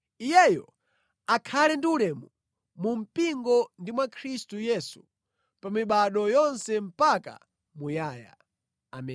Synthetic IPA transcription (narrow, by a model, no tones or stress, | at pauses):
ijɛjɔ̰ | akʰalɛndiulɛmu | mum̩piŋɡɔndimwakʰɾistujɛːsu | pamiɓaɗɔjɔnsɛm̩paka̰ | mujaːja̰ | a̰mɛ